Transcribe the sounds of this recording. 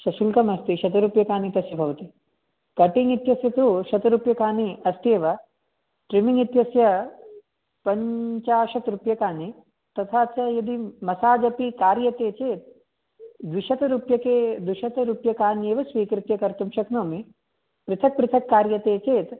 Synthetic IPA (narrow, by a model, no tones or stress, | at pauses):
ʃɐʃulkɐmɐst̪iʃɐt̪ɐɾupjɐkaːnit̪ɐsjɐbʱɐʋɐt̪i | kɐʈiŋit̪jɐsjɐt̪ɾuʃɐt̪ɐɾupjɐkaːniɐst̪eːʋɐ | ʈɾimiŋit̪jɐsjɐ | pɐɲt͡ʃaːʃɐt̪ɾupjɐkaːni | t̪ɐt̪ʰaːt͡ʃɐjɐd̪imɐsaːd͡ʒɐpikaːɾjɐt̪eːt͡ʃeːt̪̚ | d̪ʋiʃɐt̪ɐɾuːpjɐkeːd̪ʋiʃɐt̪ɐɾupjɐkaːnjeːʋɐsʋiːkɾɪt̪jɐkɐɾt̪umʃɐknoːmi | pɾɨt̪ʰɐk̚pɾɪt̪ʰɐkːaːɾjɐt̪eːt͡ʃeːt̪